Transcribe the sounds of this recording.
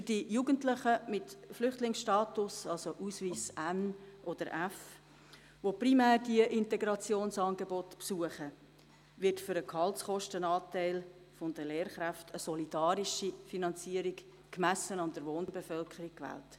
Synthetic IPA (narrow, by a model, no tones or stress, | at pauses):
fʏrd̥ijuːɡəntləχəmɪtflʏχtlɪŋsʃtɑːtʊsɑlsoʔuːsviːsænʔɔd̥əɾʔæf | ʋoprimæːrd̥iəʔɪnteɡɾɑt͡sjoːnsɑːnɡebɔtpsuəχə | ʋɪrtfʏɾəkʰhɑltsχɔʃtənɑːtæɪl | fɔndəleːɾχɾæftʰəsɔlidɑːɾiʃifinɑnt͡siəɾik | kmæsənɑnd̥̪əɾʋoːnbefœlkʰəɾik̚kʋæ̰ːlt